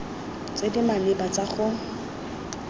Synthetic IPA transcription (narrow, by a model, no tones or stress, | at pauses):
t͡sedimalɪbat͡saχʊ